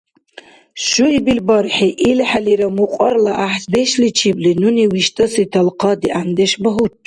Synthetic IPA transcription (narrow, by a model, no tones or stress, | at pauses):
ʃuibilbɔɾħiʔilħaliɾɐmuqʼɔrlaʔaħsb̪ɛʃlit͡ʃʰiblinuniwiʃt̪ʼɐsit̪ʰɐlqʰɑd̪iʔand̪ɛʃbɐɦutʼ